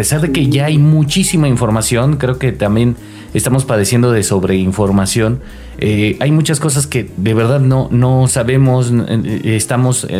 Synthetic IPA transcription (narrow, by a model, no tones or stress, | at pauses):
pe̞saɾðe̞ke̞ʝaajmut͡ʃisimaiɱfo̞ɾmasjo̞ŋkɾe̞o̞ke̞t̪ambje̞n | est̪amo̞spað̞e̞sje̞nd̪o̞ðe̞so̞βɾe̞iɱfo̞ɾmasjo̞n | eajmut͡ʃasko̞s̬aske̞ðe̞βe̞ɾðaðno̞no̞saβe̞mo̞sest̪amo̞s